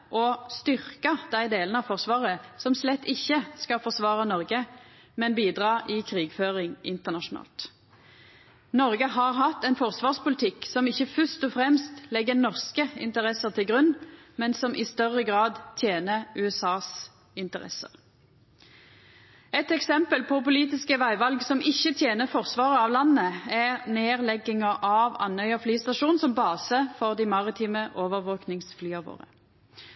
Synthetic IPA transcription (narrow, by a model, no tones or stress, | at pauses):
ʔɔst̪ʏʁkəd̪̥æɪd̪eːlənɑfɔʁsʋɑːʁəsɔmslɛt̪ːɪçːəskɑfɔʁsʋɑːʁənɔʁɡə | mɛnbiːd̪ʁɑːɪkʰʁiːɡføːʁɪŋʔɪnt̪əʁnɑʃʊnɑ̰ːlt̪ | nɔʁɡəɦɑʁɦɑt̪ːɛnfɔʁsʋɑːʁspʊlɪt̪ʰɪksɔmɪçːəfœst̪ɔfʁɛmst̪lɛɡːənɔʁskəɪ̰nt̪əʁɛsəʁt̪ʰɪlɡʁʉnːmɛnsɔmʔɪst̪œʁːəɡʁɑːd̪t̪ʰjeːnəʁʉːɛsɑːs | ɪnt̪əʁɛ̰sə̰ʁ | ɛt̪ɛksɛmpəlpʰɔpʊliːt̪ɪskəʋæɪʋɑlɡsɔmɪçːət̪ʰjeːnəʁfɔʁsʋɑːʁəɑːʋlɑnːəæʁneːʁlɛɡɪŋɑʔɑʋɑ̰nhœʏɑflyːst̪ɑʃuːnsɔmbɑːsəfɔʁd̪ɪmɑʁɪt̪ʰiːməʔoːʋəʁʋoːknɪŋsflyːɑʋo̰ːʁə